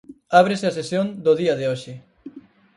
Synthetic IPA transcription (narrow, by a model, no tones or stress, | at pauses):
aβ̞ɾeseasesjõnd̪oðiɐðeoʃɪ